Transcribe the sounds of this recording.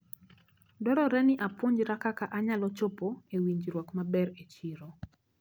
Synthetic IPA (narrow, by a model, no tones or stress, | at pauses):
dɔɾɔɾɛnɪʔapwoɲd͡ʒɾakakaʔaɲalɔt͡ʃopoewiɲd͡ʒɾwɔkmabɛɾet͡ʃiɾo